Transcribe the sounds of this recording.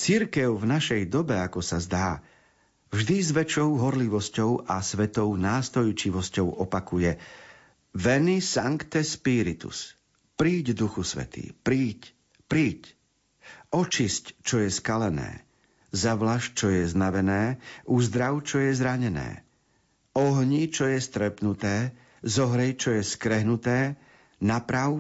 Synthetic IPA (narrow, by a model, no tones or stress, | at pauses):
t͡siɾkɛʊvnaʃɛjd̪ɔbɛakɔsazd̪aː | vʒd̪izʋɛt͡ʃɔʊɦɔɾliʋɔscɔʊʔasʋɛt̪ɔʊnaːst̪ɔjt͡ʃiʋɔscɔʊɔpakujɛ | ʋɛnisaŋkt̪ɛspiɾit̪ṵs | pɾiːɟd̪uxusʋɛ̰t̪ḭːpɾiːc | pɾiːc | ɔt͡ʃisct͡ʃɔjɛskalɛnɛ̰ː | zaʋlaʃ̚t͡ʃɔjɛznaʋɛnɛːʔuzd̪ɾaʊt͡ʃɔjɛzɾaɲɛnɛ̰ː | ɔɦɲit͡ʃɔjɛst̪ɾɛpnut̪ɛː | zɔɦɾɛjt͡ʃɔjɛskɾɛɦnut̪ɛː | napɾaʊ